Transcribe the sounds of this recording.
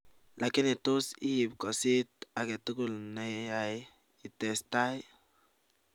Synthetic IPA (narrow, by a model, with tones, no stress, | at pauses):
lʔa˨ki˦ni˨t̪u˦siː˦˨bko˨si˦t̪a˨ɡe˨t̪u˦ɡu˦lne˨a˨j | i˨t̪e˨st̪a˦j